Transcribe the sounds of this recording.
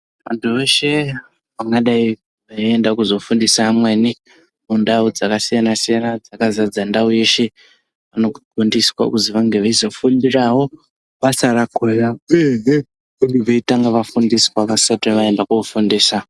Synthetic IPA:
ʋa̰ntʰuʋe̞ʃe̞ | ʋaŋɡaɗai | ʋaie̞ndakuzo̞fundisaːmweni | mundaud͡zakasijanasijanad͡zakazad͡zandauje̞ʃe̞ | ʋano̞uɡʱundiswa̰kuziʋaŋɡeʋaizo̞fundirawo̞ | ʋasaɾakojaeɦe | kuŋɡiʋeitaŋɡaʋafundiswaʋasateʋae̞ndakuufundiːsa

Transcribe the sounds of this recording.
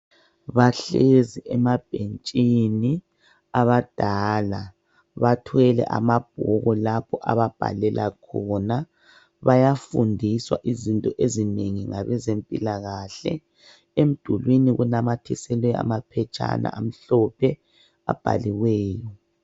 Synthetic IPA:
βaɬeziʔɛmab̥ʱent͡ʃʼini | aβad̥ʱaːla | βatʰwɛlɛ̰ʔa̰mab̥ʱɔɣɔlapʰɔʔa̰βab̥ʱa̰lɛlʔakʰɔna | βajafundʱiswa̰ʔizintʼɔʔezineŋiŋaβɛzempʼilaɣaɬɛ̰ | em̩d̥ʱulwiniɣunamatʰisɛlwɛa̰mapʰɛt͡ʃʼa̰na̰ʔam̩ɬɔpʰɛ | a̰b̥ʱa̰liwɛːjɔ

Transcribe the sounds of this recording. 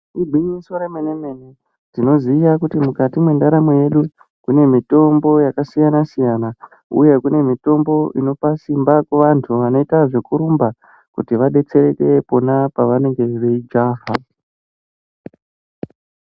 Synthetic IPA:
iɡʱiɲiswoɾemenene̞ne | tino̞ziːjakutimukatimwe̞ndaɾamoje̞ɗu | kune̞mito̞mbo̞jakasijanasijana | ṵje̞kune̞mito̞mbo̞ʔino̞pasimbakweʋantʰuʋano̞itaʐe̞kuɾumba | kutiʋaɗe̞t͡se̞ɾe̞ke̞po̞napaʋane̞ŋɡe̞ʋe̞id͡ʒaːɦa

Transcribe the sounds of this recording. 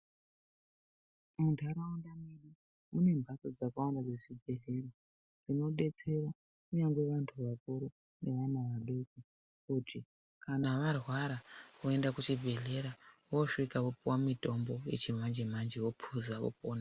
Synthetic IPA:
muntʰaɾaundamiɗi | une̞mbʱasod͡zakawandad͡zeʐibʱe̞ɮe̞ɾa | d͡zino̞ɗe̞t͡se̞ɾa | kuɲaŋɡweʋantʰuʋakuɾo | ne̞ʋanaʋaɗoki | uti | kʰanaʋarwaɾaʋoe̞ndakut͡ʃibʱe̞ɮe̞ɾaʋo̞ʂikakupuwamito̞mbo̞je̞t͡ʃimand͡ʒemand͡ʒewo̞pʰuzakṵpoːna

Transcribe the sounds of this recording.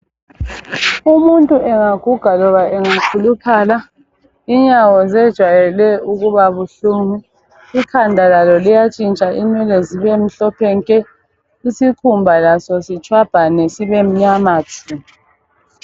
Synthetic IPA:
umuntʼuʔɛŋaɡ̥ʱuɡ̥ʱalɔβaʔɛŋakʰulukʰala | iɲawɔzɛd̥ʒ̥ʱwajɛlɛuɣuβaβuɬumi | ikʰandʱalalɔlijat͡ʃʼint͡ʃʼaʔinɛleziβem̩ɬɔpʰɛŋkʼɛ | isikʰumbʱalasɔsit͡ʃʰʼwab̥ʱanesiβem̩ɲamaːtʰu

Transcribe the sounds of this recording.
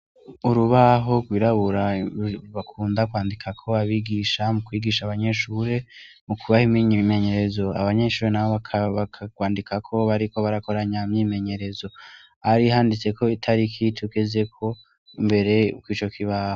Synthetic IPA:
uɾuβaɦo̞ɡɡwiɾaβuɾaβakʰuːndakwaːndikʰakʰo̞βaβiɡiʃamukwiːɡiʃaːβaɲe̞ʃuːɾe̞ | mukuβahimiɲme̞ɲe̞ɾe̞zo̞a̰βaɲe̞ʃuːɾenaβoβakʰaβakkwaːndikʰakʰo̞βaɾiko̞βaɾako̞ɾaɲamɲime̞ɲe̞ɾe̞zo̞ | haɾihaːndit͡se̞ko̞itʰaɾikʰitʰuɡe̞ze̞kʰo̞ | imbe̞ɾe̞kwiːt͡ʃo̞kʰiβaho

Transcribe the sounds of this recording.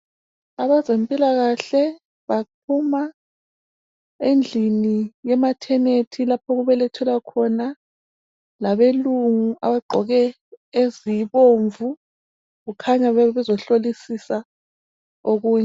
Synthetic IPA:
aβazempʼilaɣaɬɛ | βaupʰuma | end͡ɮʱinijɛmatʰɛnetʰilapʰɔɣuβɛlɛtʰɛlakʰɔna | laβeluŋuʔaβaɡ͡ǃʱɔɣɛ | eziβoɱvu | ɣukʰaɲaβɛβɛzɔɬolisisa | oɣuːɲa

